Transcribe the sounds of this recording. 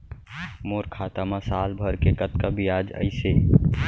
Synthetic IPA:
moɾkʰat̪amasalbʱəɾkekət̪kabijad͡ʒə̰ɪse

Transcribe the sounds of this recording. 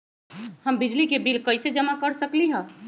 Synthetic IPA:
həmbid͡ʒlikebilkəjsed͡ʒəmakəɾsəkliɦə̃

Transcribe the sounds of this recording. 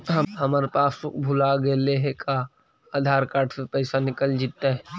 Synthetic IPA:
ɦɐɦɐmaːɾepaːsokbʱʊlaɡeleɦekʰa | aːd̪ʱaːɾkaːɾʈʰsepɛːsanɪkəld͡ʒɪt̪ːaɦɛ

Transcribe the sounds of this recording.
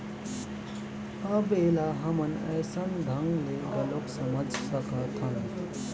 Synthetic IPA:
əbelaɦəmənə̰jsənd̪ʱəŋɡlebəloksəməd͡ʒʱsəkət̪ʰən

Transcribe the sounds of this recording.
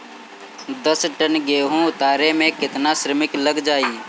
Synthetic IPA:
d̪əsʈənɡeːɦũʊt̪aːɾemẽkɪt̪naʃɾəmɪkləɡd͡ʒaːi

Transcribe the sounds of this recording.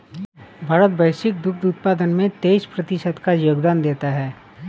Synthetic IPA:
bʱaːɾət̪bɐjʃɪk̚d̪ʊk̚ʰd̪uːt̪̚paːd̪ənmẽt̪eːspɾɐt̪ɪʃəd̪kajoːɡd̪aːnd̪eːt̪aɦɛː

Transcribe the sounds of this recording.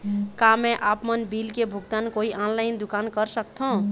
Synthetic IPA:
kamẽʔapmənbilkebʱuɡt̪ankoiʔãnlaɪnd̪ukankəɾsək̚t̪ʰõ

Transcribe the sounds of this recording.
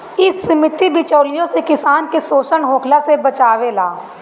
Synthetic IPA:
ɪsːɪmɪt̪ibʱɪt͡ʃəːlɪjõsekɪsaːnkesoːsəɳɦoːkʰlasebɐt͡ʃaːʋelaː

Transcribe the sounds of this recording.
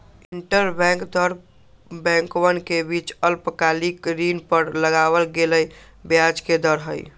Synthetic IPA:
iɳʈəɾbɛ̃ŋkd̪ɔɾ | bɛ̃ŋkwənkebit͡ʃəlpəkalikɾinpəɾləɡawəlɡeləj | bjad͡ʒked̪ɔɾɦəj

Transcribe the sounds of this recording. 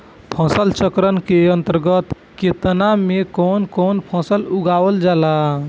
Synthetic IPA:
pʰə̃səlt͡ʃəkɾənkeənt̪əɾɡət̪ | ket̪namekɔnkonpʰə̃səluɡaʋəld͡ʒala

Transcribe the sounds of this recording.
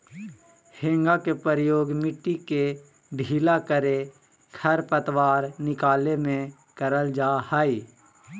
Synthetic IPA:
hẽːŋɡakepɾəɾjoːɡmɪʈːike | bʱiːlakəɾe | kʰəɾpət̪waːɾnɪkaːlemẽ | kəɾəld͡ʒaːhaːiː

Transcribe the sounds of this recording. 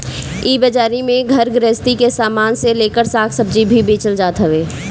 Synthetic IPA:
ibəd͡ʒaːɾimẽɡʱəɾɡɾeːst̪ikesaːmaːnseleːkəɾsaːkʰsəb̚d͡ʒibʱibiːt͡ʃəld͡ʒaːt̪ɦəʋeː

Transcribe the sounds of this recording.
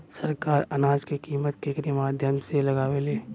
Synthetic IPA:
sɐɾkaːɾɐnaːd͡ʒkikiːmət̪kekɾimaːd̪ʱjəmselɐɡaːweleː

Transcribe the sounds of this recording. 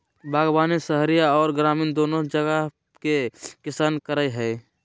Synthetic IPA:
bʱaːɡbaːnisəɦɾijaɔːɾɡɾaːmind̪oːnod͡ʒəɡə | kekɪsaːnkəɾaeɦɛː

